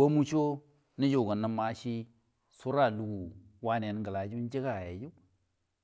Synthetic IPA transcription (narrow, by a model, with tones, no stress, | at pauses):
wo˦mu˦t͡ʃo˦ | ni˦d͡ʒo˨ɡə˨nːa˨ma˨˦ʃi˦ | su˦ɾa˦˨lu˨ɡu˨wa˦ne˨n˨ɡə˨la˨d͡ʒu˦n˦d͡ʒi˦ɡa˨ja˨d͡ʒu˦